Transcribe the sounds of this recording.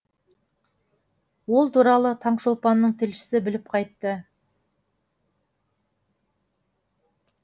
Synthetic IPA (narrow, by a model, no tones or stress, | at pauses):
wo̞lˠt̪uɾɑlˠət̪ʰɑɴʃolˠpɑnːəɴt̪ʰɪlʃɪ̥sɪbɪlɪp̚qʰɑjt̪ːə